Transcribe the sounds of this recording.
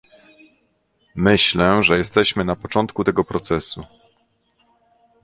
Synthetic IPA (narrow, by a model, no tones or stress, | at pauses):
mɘɕlɛʐɛjɛst̪ɛɕmɘnapɔt͡ʂɔnt̪kut̪ɛɡɔpɾɔt̪sɛsu